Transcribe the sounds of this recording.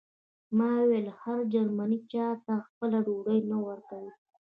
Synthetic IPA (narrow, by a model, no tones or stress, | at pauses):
mɑwelhaɾd͡ʒaɾmanit͡ʃɑt̪axpəlaɖoɽəjnawəɾkawi